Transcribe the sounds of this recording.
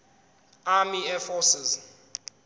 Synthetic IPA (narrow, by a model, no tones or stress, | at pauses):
amiɛfɔsɪz